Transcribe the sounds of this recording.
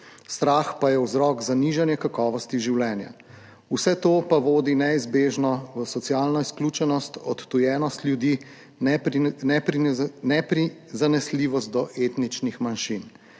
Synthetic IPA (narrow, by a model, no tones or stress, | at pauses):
st̪ɾaːxpajɛwzɾɔːɡzaniʒanjɛkakɔːʋɔst̪iʒiwlɛːnja̰ | usɛt̪oːpaʋoːd̪inɛizbeːʒnɔʋəsɔt̪siaːlnɔisklʲut͡ʃɛnɔst̪ɔt̪ːujɛːnɔst̪lʲjud̪i | nɛpinɛpɾizanɛsliːʋɔst̪̚d̪ɔʔeːt̪nit͡ʃnixmanʃin